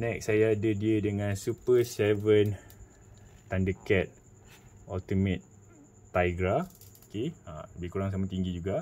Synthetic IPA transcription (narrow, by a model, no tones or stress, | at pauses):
nɛksajaːdədiədəŋãnsupəsɛvən | t̪andəkɛt̪̚ | ɔlt̪imət̪̚ː | ajɡɾaokeã̰bəkuɾaŋs̬amat̪iŋɡid͡ʒuɡa